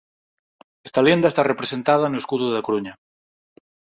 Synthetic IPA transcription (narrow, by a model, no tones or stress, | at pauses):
est̪alend̪aest̪arepɾesent̪að̞anoeskuðuðakoɾuɲa